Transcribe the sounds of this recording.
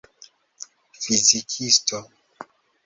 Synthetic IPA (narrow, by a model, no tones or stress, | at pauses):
fizikʰisto